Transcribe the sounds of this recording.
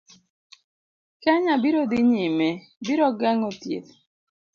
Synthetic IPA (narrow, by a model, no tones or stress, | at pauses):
kaɲabiɾod̪ɪɲɪme | biɾɔɡaŋotjḛt̪